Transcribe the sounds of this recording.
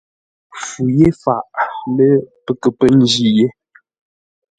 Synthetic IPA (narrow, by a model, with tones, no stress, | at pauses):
fu˨je˦fa˨ʔmə˦pə˨kə˨pə˦n˦d͡ʒi˦je˦